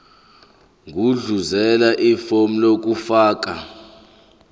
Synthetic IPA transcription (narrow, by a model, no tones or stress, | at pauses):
ŋʱuɮuzɛlaʔifom̩lok̬ʼufaːk̬ʼa